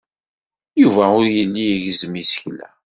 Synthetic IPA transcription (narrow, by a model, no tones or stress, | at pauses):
juvæʊɾjənːiəʝzmisə̥çlæ̰